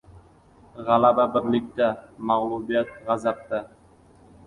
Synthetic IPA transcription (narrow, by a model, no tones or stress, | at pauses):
ʁɑlˠababɪɾlɪk̚t̪amaʁlˠubijat̪̚ʁɑzap̚t̪a